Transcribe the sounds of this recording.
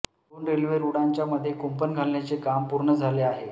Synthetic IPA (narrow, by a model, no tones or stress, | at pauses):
onɾelʋeɾuɽaɲt͡ɕjaməd̪ʱːjekumpənɡʱalːat͡sekampuɾɳəd͡zʱaleaɦe